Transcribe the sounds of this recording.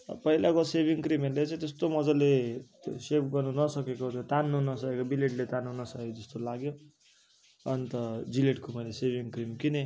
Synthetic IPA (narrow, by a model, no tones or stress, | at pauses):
pʌɦilakosebiŋkrimelet͡sʌ̃ĩt̪est̪omʌd͡zʌlesepɡʌrnunʌsʌkekot̪ot̪anːuɦunʌsʌkekobileʈlet̪anuɦunʌsʌkekod͡zʌst̪olaɡjo | ʌnit̪ʌd͡zileʈkomʌjlesebʱiŋkrimkine